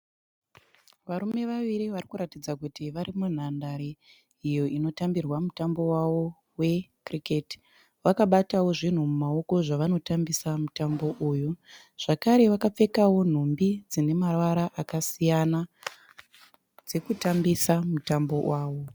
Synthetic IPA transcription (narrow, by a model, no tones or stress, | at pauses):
ʋaɾume̞ʋaʋiɾiʋarikuɾatid͡zakutiʋaɾimun̤andaɾiː | jo̞ino̞tambirwamutambo̞wawo̞ | we̞kriketi̥ | ʋakaɓatawoʐin̤umumao̞ko̞ʐaʋano̞tambisamutambo̞ʔuːju | ʐ̥akaɾe̞ʋakap͡fe̞kawo̞n̤ombid͡zine̞marwaɾaʔakasijana | d͡ze̞kutambisamutambo̞wʔaːwo̞